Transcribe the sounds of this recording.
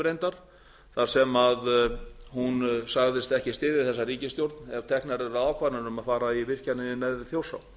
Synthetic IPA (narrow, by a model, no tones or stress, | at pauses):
ɾejnt̪aɾ̥ | θaɾ̥sɛmaðhunsaɣðɪst̪ɛhcɪst̪ɪːðɪθɛsːariːcɪst̪jowɾt̪nɛv̥t̪ʰɛhknaɾɛɾaaːwkʰvaɾnaɾʏmaðfaːɾaivɪr̥canɪnɪnɛðɾɪθjowsa̰w